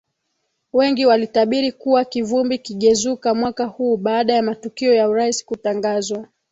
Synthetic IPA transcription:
wɛŋɡiwalitaɓiɾikuwakivumbikiɠɛzukamwakahuːɓaːɗajamatukiɔjauɾaisi̥kutaŋɡazwa

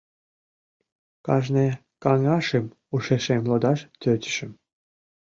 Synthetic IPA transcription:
kɑʒne | kɑŋɑʃem | uʃeʃemlod̪ɑʃt̪øt̪ʲə̥ʃəm

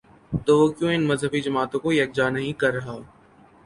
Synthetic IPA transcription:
t̪oːʋoːkjõːɪnməzɦəbid͡ʒəmaːt̪õːkoːjɐk̚d͡ʒaːnɐɦĩːkɐɾːɐɦaː

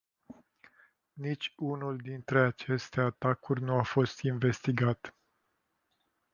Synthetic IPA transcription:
nit͡ʃʲunuld̪int̪ɾe̞at͡ʃe̞st̪e̞at̪akurʲnuafo̞st̪inve̞st̪iɡat̪

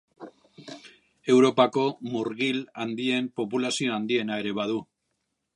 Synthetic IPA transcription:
e̞wɾo̞pako̞muɾɣiland̪ie̞mpo̞pulasio̞and̪ie̞nae̞ɾe̞βaðu

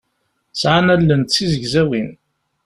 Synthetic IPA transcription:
sʕanælːənt̪t͡sːizəʝzæwin

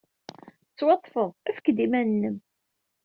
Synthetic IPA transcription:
ət͡sːwɑt̪ˤːfəðˤæfə̥kːəd̪imænnːəm

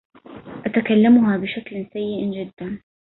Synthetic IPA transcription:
ʔat̪akalːamʊɦabɪʃaklsajːɪʔd͡ʒɪd̪ːan

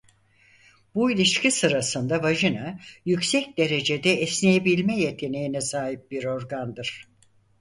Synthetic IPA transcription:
builʲiʃcisɯɾasɯnd̪avaʒɯnajycsɛc̚d̪e̞ɾe̞d͡ʒe̞d̪ɛɛslʲejebilʲmɛje̞t̪ʰe̞nejinɛsaːɦip̚biɾo̞ɾɡand̪ɯɾ̥

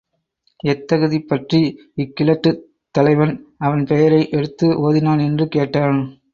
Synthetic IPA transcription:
ɛt̪ːɐɣɯðipːɐʈri | ɪkːɪlɐʈːɯ | t̪ːɐlɐɪʋɐnɐʋɐnpɛjɐɾɐɪʔɛɽɯt̪ːɯʔoːðɪnaːnɛndrɯkeːʈːaːn

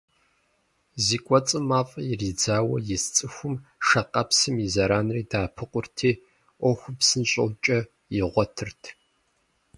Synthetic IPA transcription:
ziːkʷʼɔt͡sʼɨmaːfʼɐjɪriːd͡zaːwɐ̰jɪst͡sʼɨxʷʊmʂɐqɐpsɨmizɐɾaːnriːdaːpʰɨqʷʊrtʰiː | ʔʷɔxʷʊpsɨnɕʼɐ̰wt͡ʃʼɐ | jɪʁʷɔtʰɨrtʰ

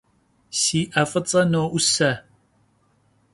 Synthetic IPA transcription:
siːʔɐfʼɨt͡sʼɐnoːʔʊsɐ

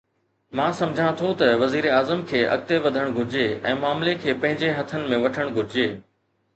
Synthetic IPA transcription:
mãːsɐ̃md͡ʑʱãt̪ʰot̪ɐʋɐziːɾeaːzəmkʰeːɐ̰k̚t̪eʋɐd̪ʱəɽ̃ɡʱʊɾɪd͡ʑeːɛ̰̃ːmaːmlekʰeːpɐ̃ɦɪ̃ɲd͡ʑeɦɐt̪ʰənɪ̆mẽʋɐʈʰəɽ̃ɡʱʊɾɪd͡ʑeː

